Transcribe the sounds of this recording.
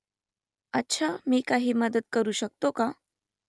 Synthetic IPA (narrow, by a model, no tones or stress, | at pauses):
ətːɕʰamiːkaɦiːməd̪əd̪̚kəɾuːɕək̚t̪oka